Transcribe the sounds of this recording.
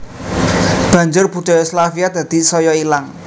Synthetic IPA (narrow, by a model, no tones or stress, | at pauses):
b̥ä̤ɲd͡ʒʊrb̥ṳd̪̥ɔ̤jɔslafiad̪̥ä̤d̪̥i̤sɔjɔilaŋ